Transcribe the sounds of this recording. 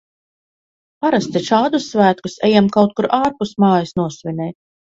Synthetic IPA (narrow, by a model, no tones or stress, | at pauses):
paɾast̪iʃaːd̪usːvæːt̪kusɛjɛmkawt̪̚kuɾaːɾpust̪mɑːjisnuɔsvʲinʲɛj̪̚